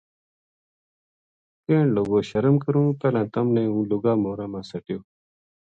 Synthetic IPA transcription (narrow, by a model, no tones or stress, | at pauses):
keːɳloːɡoːɕɐɾɐmkɐɾũːpelãːt̪ɐmneːũːluɡaːmoːɾãːmãːsɐʈjoː